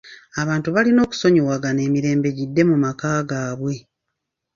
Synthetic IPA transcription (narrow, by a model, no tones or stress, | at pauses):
aβaːntuβalino̞ːku̥so̞ɲowaɡane̞ːmiɾe̞ːmbe̞ɟidːe̞mumakaːɡaːβwe̞